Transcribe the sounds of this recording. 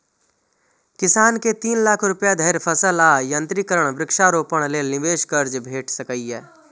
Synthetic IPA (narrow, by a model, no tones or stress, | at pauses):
kɪsaːnket̪iːnlaːkʰɾʊpjad̪ʱəɾpʰəsəlaːjə̃nt̪ɾikəɾəɽ̃bɾɪkʃaɾoːpəɽ̃leːnɪʋeːʃkəɾd͡ʒbʱeːʈʰsəkəiɛː